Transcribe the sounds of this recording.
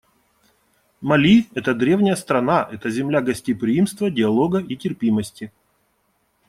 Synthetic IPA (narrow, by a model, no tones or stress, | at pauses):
mɐlʲiɛt̪əd̪ɾʲe̞vnʲɪjəst̪ɾɐnaʔɛt̪əzʲɪmlʲaɡɐsʲtʲipɾʲɪimst̪vədʲɪɐlˠo̞ɡəitʲɪrpʲiməsʲtʲɪ